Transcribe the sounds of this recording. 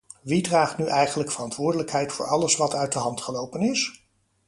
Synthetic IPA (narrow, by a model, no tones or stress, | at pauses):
ʋidraːχtnyʔɛjχənləkfərɑntʋʊːɹdələkɦɛjtfʊːɹɑləsʋɑtœɥt̚dəɦɑntχəlowpənɪs